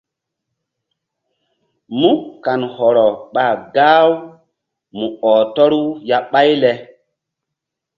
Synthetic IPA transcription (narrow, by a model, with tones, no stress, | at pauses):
mu˦kːa˨nhɔ˨ɾɔ˨ɓa˨ɡaː˦w | mu˨ɔː˨tɔ˦ɾu˦ja˨ɓa˦jlɛ˦